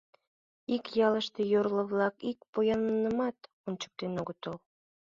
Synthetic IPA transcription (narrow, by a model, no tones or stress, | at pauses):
ikjɑləʃt̪ejorlə̆βlɑkik̚pojɑnənəmɑt̪ | ont͡ɕə̥k̚t̪enoɣət̪ol